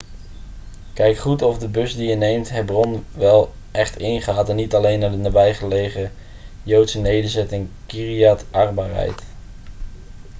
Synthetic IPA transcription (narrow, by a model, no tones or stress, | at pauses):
kɛjkχutɔfdəbɵsdijənejmtɦɛbrɔnʋɛlˠ | ʔɛχtɪnχaːtɛnːitɑlejnːaːdənaːbɛjχəlejχə | jowtsənejdəɹzɛtɪŋkiriatʔɑrbaːɹɦɛ̰jt